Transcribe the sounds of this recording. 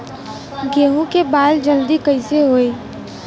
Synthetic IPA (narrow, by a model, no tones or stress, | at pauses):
ɡeːɦũkebaːld͡ʒəld̪ikɐɪseɦoːeː